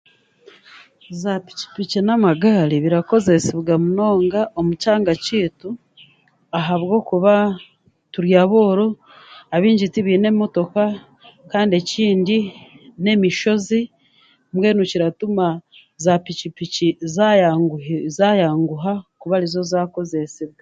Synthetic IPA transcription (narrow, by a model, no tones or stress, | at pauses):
zapi̥ci̥picinamaɡaːliβiɾako̞ze̞seβɡamuno̞ːŋɡaʔo̞mut͡ʃaːŋɡaciːtu | aɦaβɡo̞kuβa | tuɾjaβoːɾo | aβiːɲɟitiβine̞mo̞to̞ka | kaːndie̞ciːndi | ne̞miʃo̞zi | mwe̞ːnuciɾatuma | zapicipiciza | zajaːŋɡuɦakuβalizo̞zaːko̞ze̞siβɡa